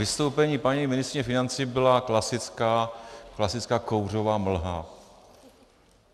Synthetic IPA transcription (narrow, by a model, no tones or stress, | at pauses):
ɪst̪owpɛɲiːpaɲimɪnɪst̪ɾɪɲɛfɪnant͡siːbɪlaklasɪt͡skaklasɪt͡skaːkowr̝o̞vaːml̩ɦa̰